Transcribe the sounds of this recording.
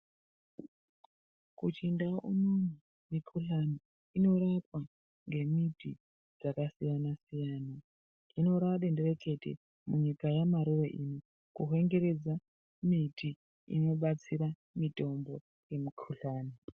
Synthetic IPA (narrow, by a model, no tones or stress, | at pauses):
kut͡ʃindaʔunonu | mikʰuɬani | ino̞ɾapwa | ŋɡe̞mitʰi | d͡zakasijanasijaːna | ino̞ɾaɗendereke̞tḛ | muɲikajamaɾureʔino | kuɦe̞ŋɡe̞ɾe̞d͡za | miti | ḭno̞ɓat͡siɾa | mito̞mbo̞ | je̞mikʰuɬaːni